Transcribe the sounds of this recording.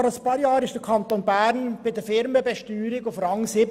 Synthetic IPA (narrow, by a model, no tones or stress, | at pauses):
ʁaspɑːɾjɑːɾɪʃd̥əkʰɑnt̪oːnbæɾnb̥ɪdəfɪɾməbɛʃtyːɾɪɡʊfɾɑŋsɪ